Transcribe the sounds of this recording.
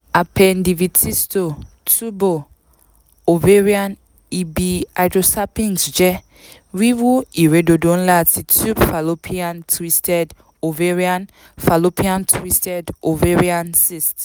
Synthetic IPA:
a˨pʰɛ˨ndi˨vi˨tʰi˦sto˨ | tʰu˦bo˨ | o˨ve˦ɹi˦a˦n | i˨bi˨a˨dɾo˨sa˦pĩ˦nsd͡ʒɛ˦ | wi˦wu˦i˨ɾe˦do˨dõ˦n˦la˦˨ti˨tu˦bfa˨lo˦pʰi˦ã˦ntʰwi˦stʰɛ˦d | o˨ve˦ɹi˦ã˦n | fa˨lo˦pʰi˦ã˦ntʰwi˦stɛ˦do˨ve˦ɹi˦a˦nsi˦st

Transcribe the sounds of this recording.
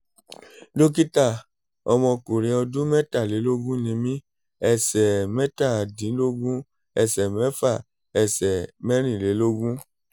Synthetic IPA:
lo˦k̬i˦ta˦˨ | ɔ̰˧mɔ̃˧ko˨ɾĩ˧ɔ˧du˦mɛ˦ta˦˨le˨˦lo˦ɡũ˦nĩ˧mĩ˦ | ɛ˦˨sɛ˨mɛ˦ta˦˨a˨dĩ˨˦lo˦ɡũ˦ | ɛ˨sɛ˨mɛ˦fa˦˨ | ɛ˨sɛ˨mɛ˦ɾ̃ĩ˦˨le˨˦lo˦ɡũ˦

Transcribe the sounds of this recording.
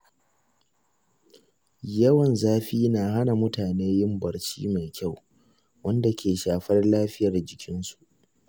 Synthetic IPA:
jɐ˦wɐ˨nzaː˦ɸiː˦naː˨ɦa˦na˨mʊ˦taː˨neː˦jɪ˦mbɐ˨rt͡ʃḭː˦ma˨jkʲa˦˨w | wɐ˦nda˨kʲeː˨ʃaː˨ɸɐ˦rlaː˦ɸɪ˦jɐ˨rd͡ʒɪ˨kʲɪ˦nsu̥˨ʔ

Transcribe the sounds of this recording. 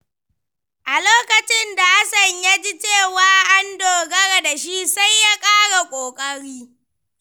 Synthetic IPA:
ʔa˨loː˦kɐ˨t͡ʃɪ˦nda˨ʔa˦sɐ˨ɲja˦d͡ʒi˦t͡ʃeː˦˨waː˨ʔa˦ndoː˨ɡɐ˦ɽa˨da˨ʃi˦sa˦jːa˦kʼaː˦ɽa˨kʷʼoː˨kʼɐ˦ɽiː˦

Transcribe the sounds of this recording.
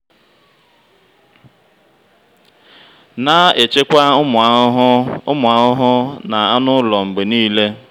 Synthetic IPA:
na˦e˨t͡ʃe˦kʷa˦m˨˦ | ʊ˦mʊ˨a˨ʊ˦ɦʊ˦na˨a˦nʊ˦lɔ˨ŋ͡m̩˨ɡ͡be˨niː˦le˦

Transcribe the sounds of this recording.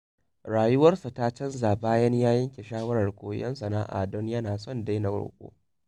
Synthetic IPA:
ɽaː˨jʊ˦wɐ˦rsa˨ta˦t͡ʃɐ˦nzaː˨baː˦jɐ˦ɲjaː˦jɐ˦ŋkʲe˨ʃaː˦wɐ˦ɽɐ˨rkʷʼo̰ː˨˦jɐ̰˦nsɐ˨na̰ː˦ʔa̰˨dɔ˦ɲjɐ˦naː˨sɔ˦˨nda˦jna˨ɡo̰ː˨kʷʼo̰ː˦

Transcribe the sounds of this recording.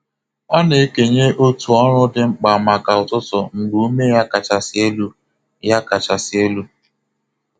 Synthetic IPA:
ɔ˦ne˨e˦ke˨ɲe˦ʔo˦tu˨ɔ˦ɾʊ˦dɪ˨ŋ͡m̩˦k͡pa˨ma˨ka˨ʊ˨tʊ˦tʊ˨ŋ̩˨ɡ͡bu˦u˦me˦ja˦ka˨t͡ʃa˨sɪ˦e˦lu˦ | ja˦ka˨t͡ʃa˨sɪ˨e˦lu˦

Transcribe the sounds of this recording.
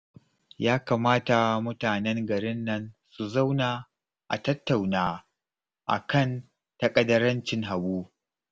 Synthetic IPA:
jaː˦kaː˨maː˦ta˨mʊ˦taː˨nɛ˦ŋɡɐ˨ɾɪ˦nːɐ˦nsu˨za˦wnaː˨ | ʔa̰˨tɐ˦tːa˨wnaː˦ | ʔa̰˨kɐ˦˨n | tɐ˦˨kʼɐ˨dɐ˦ɾɐ˦nt͡ʃɪ˨ŋɦa˨buː˦

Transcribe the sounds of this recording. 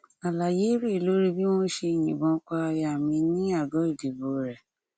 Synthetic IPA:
a˨la˨je˨˦ɾe˦˨lo˦ɾi˦bi˦w̃ɔ̃˦ʃe˧˨j̃ĩ˨bɔ̃˨˦k͡pa˧ja˨mĩ˧nĩ˦a˦˨ɡɔ˨˦i˦˨de˨bo˨˦ɾɛ˨

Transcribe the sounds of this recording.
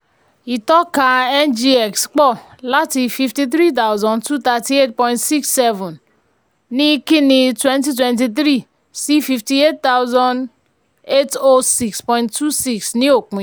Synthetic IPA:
i˨tɔ˦ka˨ɛ˦nd͡ʒi˦e˨ksk͡pɔ˦ | la˦ti˨fi˨fti˨t̪̬ɾi˦t̬a˦wzɔ̃˨ntu˦t̪a˨ti˦e˦t̚pɔ̃˨j̃ntsi˦ksːɛ˦vɔ˨n | ni˦ki˦ni˨twe˦nti˦t̬wɛ˨nt̬i˨t̪̬ɾi˦ | si˦fi˨fti˨e˦t̚t̪a˦wzɔ̃˦n | e˦to˦si˦kspɔ˨j̃ntu˦si˦ksni˦o˨k͡pi˨

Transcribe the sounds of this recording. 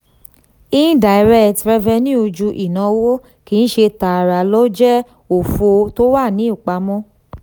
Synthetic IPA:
i˦ĩ˦da˨i˨ɾɛ˦tɾɛ˧vɛ˧nĩ˦o˧d͡ʒu˧ʔi˨nã˨˧˦wo˦ | ki˨˦ñ̩˦ʃe˧ta˨ɾa˨lo˦d͡ʒɛ˦ | o˨fo˧to˦wa˦˨nĩ˨˦i˦˨k͡pa˧mɔ̃˦

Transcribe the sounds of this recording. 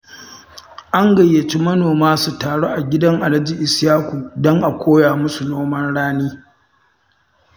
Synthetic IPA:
ʔa˦ŋɡɐ˨jːe˨t͡ʃi˦mɐ˦noː˨maː˦su˨taː˨ɽoː˦ʔa˨ɡʲɪ˦dɐ˦ŋʔa˨lɐ˦d͡ʒi˨ʔɪ˨sjaː˦kʷu˨dɔ˦ŋʔa˨kʷoː˦jaː˨mʊ˦su˨noː˦mɐ˦nɽaː˦niː˦

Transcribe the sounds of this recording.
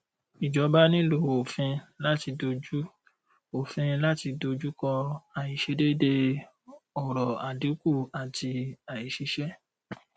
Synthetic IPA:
i˨d͡ʒɔ˨˦ba˦nĩ˦lo˨o˨fĩ˧la˦ti˧do˧d͡ʒu˦ | o˨fĩ˧la˦ti˧do˧d͡ʒu˦kɔ̃˧a˨ji˨ʃe˨˧˦de˦de˧ | ɔ˨ɾɔ˨a˨di˨˦ku˦˨a˨ti˧a˨i˨ʃi˧˦ʃɛ˦

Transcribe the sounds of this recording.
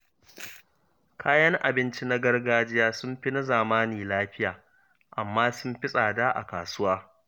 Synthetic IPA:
kʰaː˦jɐ˦ŋʔa˨bɪ˦nt͡ʃi˦na˦ɡɐ˦rɡaː˦d͡ʒɪ˦jaː˦sʊ˦mɸɪ˦na˦zaː˨maː˦niː˨laː˦ɸɪ˦jaː˨ | ʔa˨mːaː˦sʊ˦mɸɪ˦sʼaː˨daː˦ʔa̰˨kaː˨sʊ˦waː˦

